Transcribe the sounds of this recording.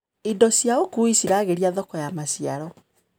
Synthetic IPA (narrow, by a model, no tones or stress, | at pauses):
idɔsjaokuisiɾaːɣeɾiaðɔkɔjamasiaɾɔ